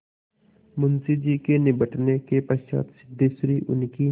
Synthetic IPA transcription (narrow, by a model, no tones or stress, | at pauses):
mʊnsid͡ʒikenɪbəʈnekepəa̰ːt̪sɪd̪ʱːesɾiʔʊ̰nki